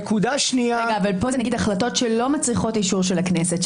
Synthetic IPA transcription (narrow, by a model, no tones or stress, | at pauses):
kud̪aʃniaʁeɡaːvalpozenaɡidaχlato̞tʃelo̞mat͡sʁiχo̞tiʃuʁʃelaknese̞t